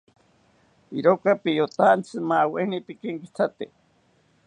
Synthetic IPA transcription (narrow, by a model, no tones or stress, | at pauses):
iɾokapijot̪ant͡sʰɨmawenipikeŋki̥t͡sʰat̪e